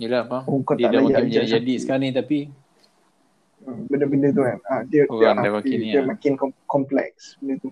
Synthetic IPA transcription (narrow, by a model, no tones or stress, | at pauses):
ilapaukotd̪ʔdlamajaəd͡ʒad͡ʒadisəkaanit̪api | bəndəbəndət̪̬ukanadiəaaaiəmakɪnkɔkɔmplɛ̰k̚sbəndət̪u